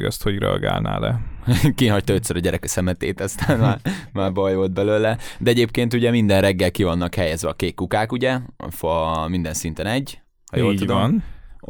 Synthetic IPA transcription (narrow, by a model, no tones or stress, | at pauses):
ɡɒ̰st̪ho̞ɟrɛ̰ɒ̰ɡa̰ːlna̰ːlɛkiɦɒc̚t̪ɒøt̪sɛɾɒɟɛɾɛkɛsɛmɛt̪eːt̪ɒst̪aːnmaːrmaːrbɒjvold̪̚bɛløːlɛd̪ɛɛɟeːpkeːnt̪uɟɛmind̪ɛnrɛɡːɛlkivɒnːɒkhɛjɛzʋɛɒkeːt̪kukaːkuɟɛfɒmind̪ɛnsint̪ɛnɛɟː | hɒjoːlːɟud̪on